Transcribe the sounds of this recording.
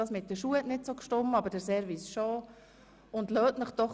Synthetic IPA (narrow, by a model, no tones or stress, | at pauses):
ɑːsmɪt̚dəʃuətnɪtsokʃtʊmɑbəɾdəɾsɛɾvisʃo | ʊndløːtnəχd̥ɔχ